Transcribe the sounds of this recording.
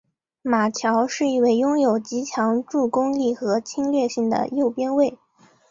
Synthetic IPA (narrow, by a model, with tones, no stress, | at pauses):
ma˨˩t͡ɕʰjɑ˧˥ʊʂɻ̩˥˧i˥˧we˥˩ɪjʊ˥ŋjo˨˩ʊt͡ɕi˧˥t͡ɕʰjɑ˧˥ŋʈ͡ʂu˥˩kʊ˥ŋli˥˩xɤ˧˥t͡ɕʰi˥ŋljɛ˥˧ɕi˥˩ŋd̪ə̰˩jo˥˩ʊpjɛ˥nwe˥˩ɪ